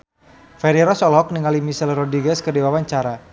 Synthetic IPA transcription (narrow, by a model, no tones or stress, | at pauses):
fɛɾiɾɔsɔlɦɔk̚niŋalimisɛlrɔdɾiɡɛskədiwawaɲt͡ʃaɾa